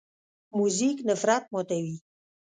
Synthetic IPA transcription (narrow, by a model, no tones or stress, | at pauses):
muziknəfɾat̪̚mot̪awi